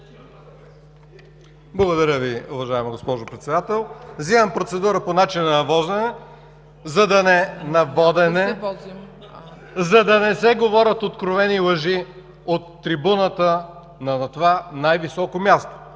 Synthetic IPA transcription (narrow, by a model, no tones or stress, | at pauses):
blˠɐɡod̪ɐɾʲəviʊvɐʒaɛmɐɡospɔʒopɾɛt̪sɛd̪at̪ɛlˠvzimɐmpɾot̪sɛd̪uɾəponat͡ʃinɐnɐvɔzɛnɛ | zɐd̪ɐnɛnɐvɔd̪ɛnɛ | zɐd̪ɐnɛsɛɡovɔɾʲɐt̪ot̪kɾovɛnilˠɐʒi | ot̪ːɾibunət̪ə | nɐt̪ovanajvisɔkomʲjast̪o̥